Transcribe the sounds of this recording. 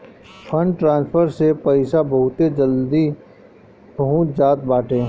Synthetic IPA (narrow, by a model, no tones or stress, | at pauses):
pʰə̃ɳɖʈɾãːnspʰəɾsepɐɪsabɐɦʊt̪ed͡ʒəld̪i | bəɦʊt̪d͡ʒaːt̪̚baːʈẽː